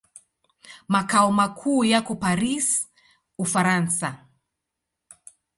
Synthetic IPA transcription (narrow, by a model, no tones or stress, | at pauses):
makaɔmakʰuːjakɔpaɾis | ufaɾansa